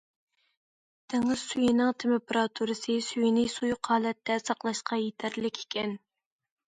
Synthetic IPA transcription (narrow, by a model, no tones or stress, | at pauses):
d̪̥ʰeŋɪz̥syjinɪŋt̪ʰempɾɑt̪ʰuɾɨsɨsyjinɪsujqʰɑːlɛt̪ʰːɛsɑqlˠɑʃqɑjet̪ʰæɾlɪkʲʰe̥kʲɛn